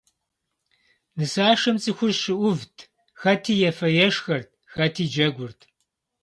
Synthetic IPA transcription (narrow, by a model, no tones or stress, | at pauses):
nɨsaːʂɐmt͡sʼixʷʊrʃɨʔʷʊvtʰ | xɐtʰiːjɛfɐjɛʂxɐrt̚ʰxɐtʰiːd͡ʒɐɡʷʊrtʰ